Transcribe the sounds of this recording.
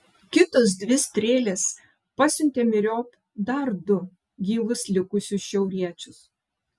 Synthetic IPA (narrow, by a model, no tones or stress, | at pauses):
kʲɪt̪oːs̬d̪ʲʋʲɪsʲt̪ʲɾʲeːlʲeːs | pɑsʲʊnʲt̪ʲeːmʲɪɾʲoːp | d̪ɐɾd̪ʊ | ɡʲiːʋˠʊslʲɪkʊsʲʊsʃʲɛʊɾʲiɛt͡ʃʲʊs